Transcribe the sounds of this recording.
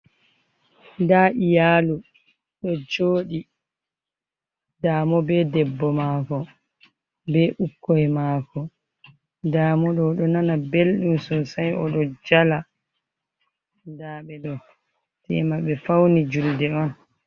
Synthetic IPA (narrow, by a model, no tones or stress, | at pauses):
daːʔijaːlu | ɗɔd͡ʒoːɗi | daːmɔbɛdɛbːɔmaːkɔ | bɛʔukːɔjɛmaːkɔ | daːmɔɗɔɗɔnanabelɗumsɔsajɔɗɔd͡ʒala | daːɓɛɗɔ | tɛ̰maɓɛfawnid͡ʒuldɛɔn